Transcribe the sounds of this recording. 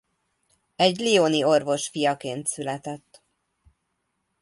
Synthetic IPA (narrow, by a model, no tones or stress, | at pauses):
ɛɟlioːnio̞rvo̞ʃfijɒkeːnt̪sylɛt̪ɛt̪ː